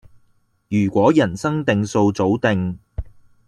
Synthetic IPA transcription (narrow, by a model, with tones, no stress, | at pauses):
jyː˨˩kʷɔː˨˥jɐ˨˩nsɐ˥ŋt̪ɪ˧ŋso˧wt͡so˨˥wt̪ɪ˨˧ŋ